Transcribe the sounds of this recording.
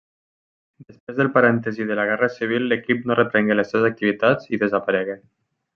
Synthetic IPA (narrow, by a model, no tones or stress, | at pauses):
d̪əspɾezðəlˠpaɾɛnt̪əziðələɣ̞ɛrəsiβ̞ilˠːəkip̚norʔət̪ɾɛŋɡeləsːeβzək̚t̪iβit̪ad͡ziðəzəpəɾɛɣe